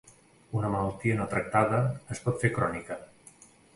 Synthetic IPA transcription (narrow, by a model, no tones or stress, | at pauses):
unəməlalˠt̪iənɔt̪ɾək̚t̪aðəːspɔt̪fekɾɔnikə